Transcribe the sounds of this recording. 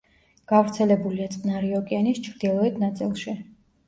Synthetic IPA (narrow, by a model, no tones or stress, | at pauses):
ɡ̥avɾt̪sʰɛlɛbuliat̪sʼnaɾiɔkʼianist͡ʃʰɾd̪̥ilˠɔɛt̪ʰnat̪sʼḭlˠʃi